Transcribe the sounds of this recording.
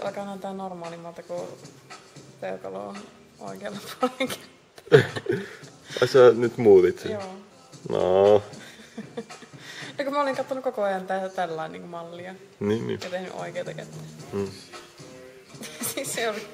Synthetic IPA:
ɑ̰lkɑːnɑnt̪æːnormɑːlimːɑlt̪ɑku | pekɑ̰lo̰ːn | o̰ikeɑlːɑp̪uoleŋkæ | ʋɑisɑnyt̪muːðit̪sejoː | no̰ | nokumæoliŋkɑt̪ːonukokoɑjɑnt̪æt̪ælːɑinnḭːŋkumɑlːiɑ | niːnːḭːjɑt̪ehny̰ʔo̰ikeːt̪ɑket̪ːæ̥ː | siseoli

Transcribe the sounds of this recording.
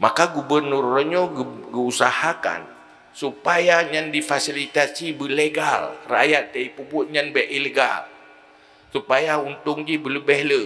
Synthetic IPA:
makaɡubərnurɔɲoɡɡəusahaka̰n | supajaɲandifasilit̪asibəleɡalra̰jat̪̚ːaipubʊt̪̚ɲanbɛʔileɡa̰l | supajaunt̪ʊŋd͡ʒibələbɛhlə

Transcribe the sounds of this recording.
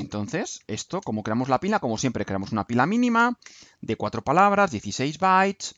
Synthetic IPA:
ent̪o̞nθe̞se̞st̪o̞ko̞mo̞kɾeamo̞zlapilako̞mo̞sje̞mpɾekɾe̞amo̞sunapilamĩnĩmad̪e̞kwat̪ɾopalaβ̞ɾazðje̞θise̞jzβajt̪s

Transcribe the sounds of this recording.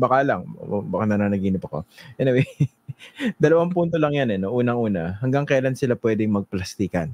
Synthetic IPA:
bɐkalaŋbɐkanɐnaːnɐɡiːnɪpɐkoʔɛnɪwɛj | d̪ɐlɐwaŋpunt̪olɐŋjanɛnoʔuːnɐŋʔuːnɐɦɐŋɡaŋkɐjaːlansɪlapwɛːd̪ɪŋmɐɡ̚plɐst̪iːkɐn

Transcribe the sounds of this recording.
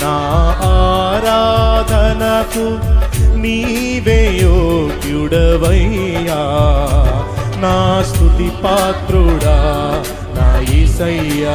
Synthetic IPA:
naːaːɾad̪ʱɐnɐku | niː | ʋeːjoɡjuɽɐʋɐjja | naːst̪uʈ̪ipaːt̪ɾuɽa | naːjisɐja

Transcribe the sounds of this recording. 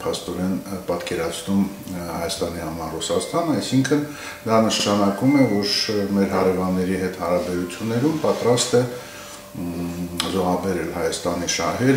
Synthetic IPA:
pʰɑst̪ɔɾɛnpɑt̪kɛɾɑt͡sʰnum | hɑjɑst̪ɑnihɑmɑɾrusɑst̪ɑnəɑjsiŋkʰən | d̪ɑnəʃʃɑnɑkumɛvɔɾmɛɾhɑɾɛvɑnːɛɾiɦɛt̪hɑɾɑbɛɾut͡sʰjunːɛɾumpɑt̪ɾɑst̪ɛ | zɔʁɑbɛɾɛlhɑjɑst̪ɑniʃɑɦɛɾ

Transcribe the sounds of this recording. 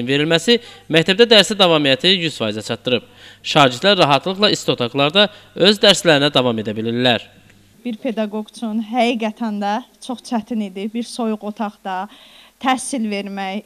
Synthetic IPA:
nve̞ɾilmæsimæct̪ʰæb̚d̪æd̪æɾsæd̪ɑvɑmijæt̪ʰijyzfɑjizæt͡ʃʰɑt̪ːɯɾɯb̥ | ʃɑːd͡ʒiɾd̪læɾːɑɦɑt̪ʰlˠɯχlˠɑist̪o̞t̪ʰɑɡlˠɑɾd̪ɑ | ø̞zd̪æɾslæɾinæd̪ɑvɑme̞d̪æbilinːæɾ | b̥iɾpʰe̞d̪ɑɡo̞ɡt͡ʃʰunɦæɡiːɡæt̪ʰænd̪æt͡ʃʰoχt͡ʃʰæt̪ʰinid̪ibiɾso̞juɣo̞t̪ʰɑχd̪ɑt̪ʰæhsilve̞ɾmæj

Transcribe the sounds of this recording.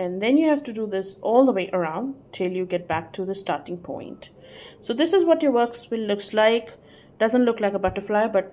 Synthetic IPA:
ɛ̃nd̪ɛ̃njuhæʋʈuɖud̪ɪsʔɔːld̪əweːʔəɾãʊ̃nɖʈʰɪljuɡɛʈ̚b̥æk̚ʈʰud̪əsʈaːɾʈɪ̃ŋpʰɔ̰̃ɪ̃nʈ | soːd̪ɪsɪzwɔʈjəʋəkswɪ̃nlʊkslaɪk | ɖ̥ʌzə̃ntlʊklaɪkəbʌʈəɾflaɪəbʌʈ̚

